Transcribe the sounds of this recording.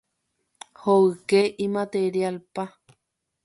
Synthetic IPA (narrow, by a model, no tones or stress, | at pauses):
hoɨkeʔimat̪eɾjalpa